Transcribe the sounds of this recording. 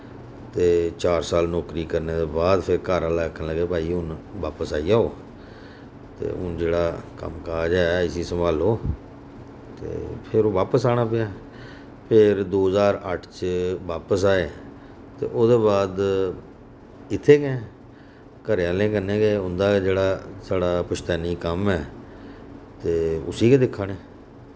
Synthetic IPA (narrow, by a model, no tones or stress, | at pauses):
t̪eːt͡ʃaːɾsaːlnɔːkɾiːkəɾneːd̪eːbaːd̪pʰɪɾkaːɾaːlaːəkʰːənləɡeːpaːiːɦʊnʋaːpəsaːiːaːoː | t̪ḛːʊnd͡ʒeːɽaːkə̰mkaːd͡ʒɛːɪsiːsəmbaːloː | t̪ḛːpʰɪɾoːʋaːpəsaːɽ̃aːpɪjaː | pʰɪɾd̪oːzaːɾəʈʰt͡ʃʋaːpəsaːeː | t̪ḛːʔoːd̪eːbaːd̪ | ɪt̪ʰːeːkɛ̃ː | kəɾjaːlẽːkənẽːkeːʊnd̪aːd͡ʒeːɽaːsaːɽaːpʊʃt̪ɛːniːkəmɛː | t̪eːʊ̰siːkeːd̪ɪkʰːaːɳeː